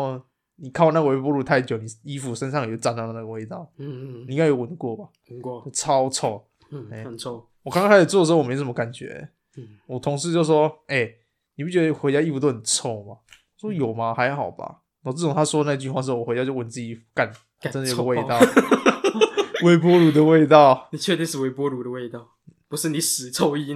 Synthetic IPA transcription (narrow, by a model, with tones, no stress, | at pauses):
ni˨˩kʰa˥˩ʊna˥˩ɡə˨we˧˥ɪp̬wɔ˥lu˥˧˩t̪ʰa˥˩ɪt͡ɕjo˨˩ni˨˩i˥fu˨ʂə˦nsɑ˥˨ŋjjo˥˩t͡sa˥nla˥˩ə˧na˥˩ɡə˨we˥˧ɪt̪ɑ˥˩ʊni˨˥˩jo˧˥wə˨˩n˨˦kwɔ˥˩ba˨˩˨t͡ɕo˥˩t͡sʰɑ˥t͡sʰɔ˥˩ | e˥˩˨ | wɔ˨˩ka˥ŋka˥ŋʰa˥˩o˨˩t͡swɔ˥˩də˩˧˥wm˧ə˧ka˨˩nt͡ɕɥɛ̰˧˦ | wɔ˨˩t̪ʰo˧˦ŋʂ̬ɻ̩˥˧t͡ɕjʊʂwɔ˥e˥˩ɪ | ni˨pu˥˩t͡ɕʲɥɛ˧˥ə˧xe˧ɪt͡ɕja˥i˥˩fu˧˩t̪o˥ʊxə˨˩nt͡sʰo˥˧ʊma˩˨˩ | swɔ˥jo˨˩ʊma˨xa˧˦ɪxɑ˨˩ʊba̰˨ | n˥˩t͡sə˥˩ɔ˨˩ŋt̪ʰa˥swɔ˥d̪ə˧na˥˧ət͡ɕy˥˧xwa˥˩ʂ̩˥˧˥wwt͡ɕa˥˧jo˥˧wə˧˦ni˨˩t͡s̩ː˥˩t͡ɕi˨i˥˩fu˧˩ka˨˩n | ə˥nd̪jɡə˧we˥˧ɪ˧ɑ˥˨ | we˧˥ɪp̬wɔ˥lu˨d̪ə˨we˥˧ɪt̪̬ɑ˥˨ʊni˨˩t͡ɕʰɛ˥˧t̪i˥˧ʂɻ̩˥˩we˧˥ɪpwɔ˦lu˨d̪ə˨˧we˥˧ɪt̪ɑ˥˨ʊ˥˩pu˧˦ʂ̩˥˨ni˨˩sɹ̩˨˩t͡sʰo˥˧ʊi˦